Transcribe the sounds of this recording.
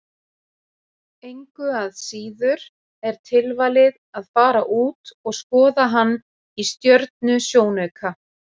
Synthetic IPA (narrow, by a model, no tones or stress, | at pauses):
ejŋkʏaðsiːðʏɾ̥ | ɛɾ̥t̪ʰɪlvalɪðaðfaːɾaʔuːt̪ɔɣskɔːðaɦanː | ist̪jœɾt̪̚nʏsjoːwnɛːkʰa